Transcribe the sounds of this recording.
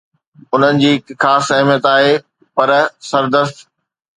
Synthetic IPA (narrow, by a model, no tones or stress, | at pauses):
ʊn̤ənɪ̆d͡ʑiːkxaːsɐɦmijət̪aːɦeː | pɐɾsɐɾd̪əst̪